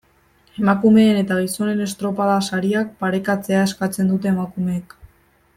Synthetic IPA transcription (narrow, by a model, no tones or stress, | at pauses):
e̞makume̞ːne̞t̪aɣiso̞ne̞ne̞st̪ɾo̞paðasaɾiak̚paɾe̞kat͡se̞ae̞skat͡send̪ut̪e̞ːmakume̞ːk